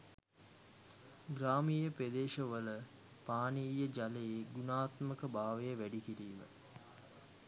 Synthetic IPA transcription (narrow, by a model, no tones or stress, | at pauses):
ɡɾaːmijəped̪eːʂəʋələ | paːniːjəd͡ʒaleeɡunaːt̪məkəbaːʋejəʋæɖikiɾiːmə̰